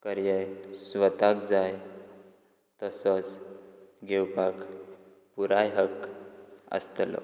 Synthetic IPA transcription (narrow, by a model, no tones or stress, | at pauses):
kəɾjəjsʋət̪ak̚d͡zaj | t̪əsət͡s | ɡʱewpak | puɾajɦək | ə̰st̪lɔ̰